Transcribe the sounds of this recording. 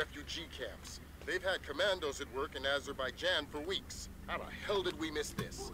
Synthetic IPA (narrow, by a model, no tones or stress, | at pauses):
ɛfjʉd͡ʒikʰæ̰̃mps | ðeɪv̥ɨd̚kʰɨmæ̃ndoʊzɨt̚wɜ˞kɨ̃næzə˞baɪd͡ʒæ̃nfə˞wiks | haʊə̰hɛlˠdɨd̚wimɪsðɪs